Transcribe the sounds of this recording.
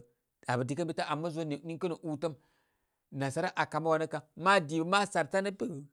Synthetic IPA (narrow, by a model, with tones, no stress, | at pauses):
da˨bə˨di˨kə˦mbi˦ta˦ʔa˨mːə˦zo˦n˨ni˦kə˦nə˨ʔu˦tə˦m | na˨sa˦ɾa˦ʔa˨ka˨ma˦wa˨nə˦ka˨ma˦di˨bma˦sa˨ɾta˦nə˦bə˦˨